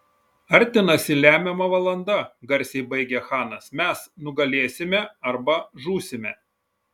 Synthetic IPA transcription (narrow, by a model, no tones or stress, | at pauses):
ɐɾʲˑt̪ʲɪnɐsʲɪlʲæːmʲɛmɐʋɐlˠɐnd̪ɐɡɐɾʲsʲɛɪbɐɪɡʲɛxɑːnɐsmʲɛsnʊɡɐlʲeːsʲɪmʲɛɐɾbɐʒuːsʲɪmʲɛ